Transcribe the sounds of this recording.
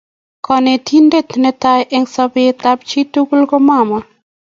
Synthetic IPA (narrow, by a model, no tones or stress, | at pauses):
kʰɔnetʰindet̪nɛtajʔɪŋsɔbet̪ap̚t͡ʃitukulkɔmama